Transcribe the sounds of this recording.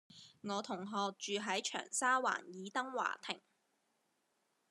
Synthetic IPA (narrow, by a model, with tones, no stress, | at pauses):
ŋɔː˨˧t̪ʰʊ˨˩ŋɦɔː˨k̚t͡ʃyː˨ɦɐ˨˥jt͡ʃʰœ̰ː˨˩ŋsaː˥wa̰ː˨˩njiː˨˧t̪ɐ˥ŋwa̰ː˨˩t̪ʰɪ̰˨˩ŋ